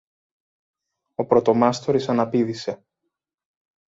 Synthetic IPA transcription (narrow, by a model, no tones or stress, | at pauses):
o̞pɾo̞t̪o̞mɐst̪oɾisɐnɐpiðise̞